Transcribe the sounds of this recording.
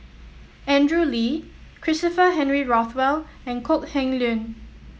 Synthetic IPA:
ɛ̃ndɹulikʰɹɪstəfəɦɛ̃nɹiɹɔθwɛl | ɛ̃nkʰok̚hɛ̃ŋlũn

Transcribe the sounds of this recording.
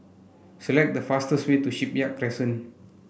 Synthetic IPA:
səlɛk̚dəfastəswetuʃip̚jaʔkɹɛsə̃n

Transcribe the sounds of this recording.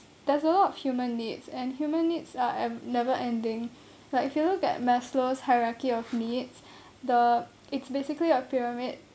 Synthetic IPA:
d̥ɛsəlɔtɔfhjumə̃nːitsɛ̃nhjumə̃nːitsaɛnɛvəʔɛ̃ndɪ̃ŋ | laɪkɪfjulukɛ̰t̚mɛsloshaɪɹakiɔfnits | də | ɪtsbesɪkliəpiɹamɪd̚

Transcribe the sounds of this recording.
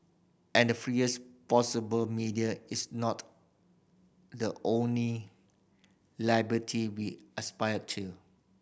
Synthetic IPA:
ʔɛ̃ndəfɹiəspɔsəbəlmidiəɪsnɔt | dəʔõnli | laɪbɹətʰiwiəspaɪəd̚tʰːu

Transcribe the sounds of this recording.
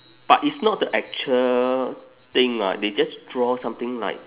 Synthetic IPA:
b̥atitsnɔt̚dəʔɛk̚t͡ʃuəl | t̪ɪ̃ŋla̰ded͡ʒasdɹɔsãmt̪ɪ̃ŋla̰ɪk̚

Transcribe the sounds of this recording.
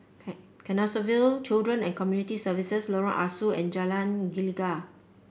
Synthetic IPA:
kɛnɔsəvilt͡ʃildɹə̃nɛ̰̃nkɔmjunitisəvisəslɔɹãʔasuɛ̰̃nd͡ʒalãnɡiliɡa

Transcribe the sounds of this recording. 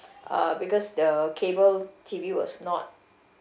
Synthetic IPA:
ʔa̰bikɔsdəkʰebəltʰiviwɔsnɔt̚

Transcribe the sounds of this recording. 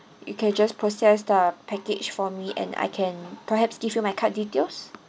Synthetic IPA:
jṵkʰɛ̃nd͡ʒaspʰɹosɛsdəpʰɛket͡ʃfɔmiʔɛ̰̃na̰jkʰɛ̃npəɦɛpsɡifjumajkʰat̚ditels

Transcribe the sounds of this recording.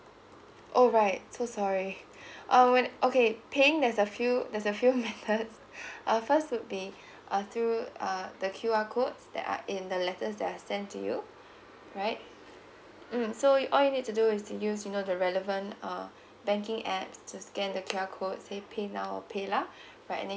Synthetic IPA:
ʔɔlɹaɪt̚sosɔɹi | ʔʌ̃wɛ̃nʔokepʰeɪ̃ŋdɛsəfjudɛsəfjumɛt̪əts | ʔʌfəstwut̚bi | ʔʌθʰɹuʌdəkʰjuakʰot̚sdɛ̰ta̰ʔɪ̃ndəlɛtəsdɛtasɛ̃ntʰːṵjṵ | ɹaɪt̚ | m̩sojʔɔljunid̚tuduɪstujusjunodəɹɛləvə̃ntʌ | bɛ̃ŋkɪ̃ŋɛpstuskɛ̃ndəkʰjuakʰot̚sepʰenaʊɔ̰pʰela | ɹaɪtɛ̰̃ndɛ̃

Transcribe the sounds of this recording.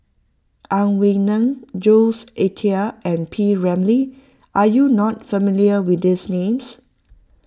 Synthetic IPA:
ʔãnwiŋnə̃ŋd͡ʒolsʔetʰiəɛ̃npʰiɹɛ̃mli | ʔajunɔt̚fəmiliəwɪt̚disnẽms

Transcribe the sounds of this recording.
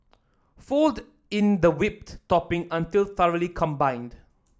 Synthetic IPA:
fɔld | ɪ̃nd̪əwɪp̚tɔpɪ̃ŋə̃ntilθəɹəlikʰɔ̃mbãɪ̃nd

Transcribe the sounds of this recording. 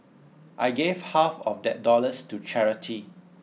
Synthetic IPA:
ʔajɡevhafɔfdɛt̚dɔləstut͡ʃɛɹitʰi

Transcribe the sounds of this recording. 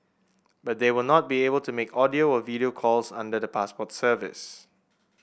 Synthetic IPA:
bat̚dewɪlnɔt̚biebəlˠtumekʰɔdioɔviɾiokʰɔlsã̰ndədəpʰaspɔtsəvɪ̰s

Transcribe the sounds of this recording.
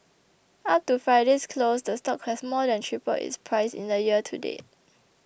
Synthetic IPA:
ap̚tufaɪdiskʰlosdəstɔkhɛsmɔdɛ̃ntʰɹipə̰ḭspʰɹaɪsḭ̃ndəjiətʰṵdḛ

